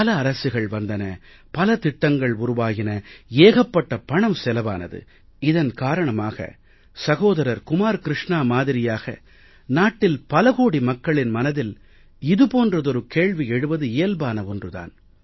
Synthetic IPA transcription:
ɐlɐːɾɐsɯɣɐɭʋɐnd̪ɐnɐ | pɐlɐt̪ɪʈːɐŋɡɐɭʊɾʊʋaːɣɪnɐeːɣɐpːɐʈːɐpɐɳɐmsɛlɐʋa̰ːnɐ̰ðɯ̰ | ɪðɐnkaːɾɐɳɐmaːɣɐ̰ | sɐɣoːðɐɾɐɾkʊmaːɾkɪɾɪʂɳaːmaːðɪɾɪjaːɣɐ̰ | naːʈːɪlpɐlɐɣoːɽimɐkːɐɭɪnmɐnɐðɪl | ɪðɯpoːndrɐðɔɾɯkeːɭʋiɛɽɯʋɐðɯeːlbaːnɐʋɔndrɯða̰ːn

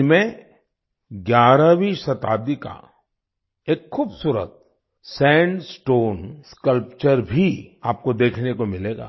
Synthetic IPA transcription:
mẽ | ɡjaːɾaʋisɐt̪a̰ːd̪ika̰ | eːkxuːbsuːɾə̰t̪̚ | sɛ̃ːɳɖsʈoːnskəlpt͡ʃəɾbʱiaːp̚kod̪eːkʰnekomɪleːɡa̰ː

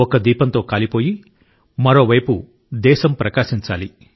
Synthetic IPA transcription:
ɔkɐd̪iːpɐnt̪o̞ːkaːlipo̞ːji | mɐɾo̞ːʋɐjpu | d̪ɛːʃɐmpɾɐkaːʃiɲt͡ʃaːli

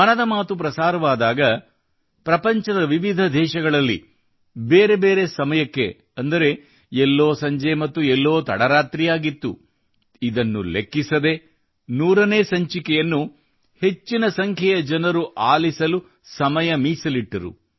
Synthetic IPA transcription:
mɐnɐd̪ɐmaːt̪upɾɐsaːɾɐʋaːd̪aːɡɐ | pɾɐpɐɲt͡ʃɐd̪ɐʋiʋid̪ʱɐd̪ʱɛːʃɐɡɐɭɐlːḭ | beːɾe̞be̞ːɾe̞sɐmɐjɐkːḛ | ɐnd̪ɐɾe̞ | ɛlːoːsɐɲd͡ʒemɐt̪ːuɛlːo̞ːt̪ɐ̰ɽɐɾaːt̪ɾijaːɡit̪ːṵ | id̪ɐnːulekːisɐd̪e̞ | nuːɾɐneːsɐɲt͡ʃikɛjɐnːu | he̞t͡ʃːinɐsɐŋkʰjɛjɐd͡ʒɐnɐɾuʔaːlisɐlu | sɐmɐjɐmiːsɐliʈːɐɾṵ

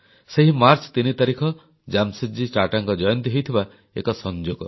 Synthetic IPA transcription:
seɦimaɾt͡ʃt̪init̪aɾikʰɔ | d͡ʒamsid͡ʒit͡ʃaʈaŋkɔd͡ʒɔjɔnt̪iɦejt̪ʰiba | ḛkɔsɔnd͡ʒoɡɔ

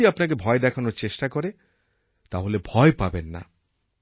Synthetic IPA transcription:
iapnak̬ebʱɔed̪ɛkʰanoɾt͡ɕeʃʈakoɾe | t̪aɦolebʱɔepabenːa̰

